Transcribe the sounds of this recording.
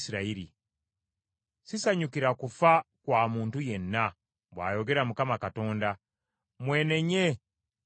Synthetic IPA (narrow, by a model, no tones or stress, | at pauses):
siɾaiɾḭ | sisaɲukiɾakufakwaːmuːntuje̞nːa | βwa̰ːjo̞ɡe̞ɾamukamakato̞ːnda | mwe̞ːne̞ɲe̞